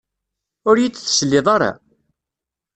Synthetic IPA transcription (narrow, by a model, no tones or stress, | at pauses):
ʊɾjit͡sːθsəlːɪðˤɑɾˤɑ̰